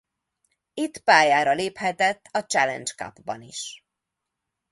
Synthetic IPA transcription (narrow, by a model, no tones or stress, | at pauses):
it̪ːpaːjaːɾɒleːphɛt̪ɛt̪ːɒt͡ʃɛlɛ̰nt͡ʃkɒ̰bbɒ̰niʃ